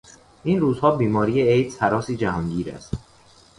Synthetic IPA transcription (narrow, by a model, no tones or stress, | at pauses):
ʔinruːzhɒːbiːmɒːɾiːjeejd̪shæɾɒːsiːd͡ʒæɦɒːŋɟiːɾæ̰st̪